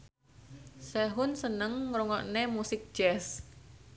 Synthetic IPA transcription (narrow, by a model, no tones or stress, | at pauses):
sɛɦʊnsənəŋːɾoŋɔʔnemusɪk̚ʒ̥ɛs